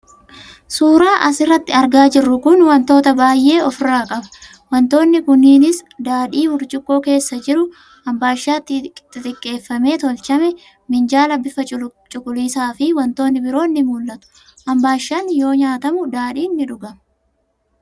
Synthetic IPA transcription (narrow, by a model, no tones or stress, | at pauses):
suːɾaːʔɐsɪrːɐt̪ːɪɐɾɡaːd͡ʒɪrːʊkʊnwɐnt̪o̞ːt̪ɐbaːjʔe̞ːɔfɪraːkʼɐbɐ̥ | wɐnt̪o̞ːnːɪkʊnːiːnɪsd̪aːᶑiːbʊɾt͡ʃʼɪkʼːo̞ːke̞ːsːɐd͡ʒɪɾʊ | ɐmbaːʃːaːt̪ːɪt̪ɪt̪ʼɪkʼːe̞ːfːɐme̞ːt̪ɔlt͡ʃɐmɛ | mɪnd͡ʒaːlɐbːɪfɐt͡ʃʼt͡ʃʼʊkʼʊliːsaːfɪwɐnt̪o̞ːnːɪbɪɾo̞ːnːɪmʊːlːɐt̪ʊ̥ | ʔɐmbaːʃːaːnjo̞ːɲaːt̪ɐmʊd̪aːᶑiːnːɪᶑʊɡɐm